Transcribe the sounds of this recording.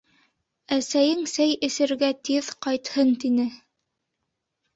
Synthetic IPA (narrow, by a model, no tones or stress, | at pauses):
æsæjɘŋsæjɘ̆sɘ̆ɾɡæt̪iðqɑjt̪hɤnt̪inɘ